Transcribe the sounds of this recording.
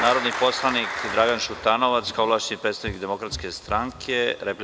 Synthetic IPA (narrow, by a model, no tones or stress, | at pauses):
naːɾod̪nipo̞slˠanikd̪ɾaɡanʃut̪ano̞ʋat̪skaoʋlˠaːʃi̥nipɾet̪t̪aʋnikd̪emo̞kɾat̪ske̞st̪ɾaŋkʰeɾep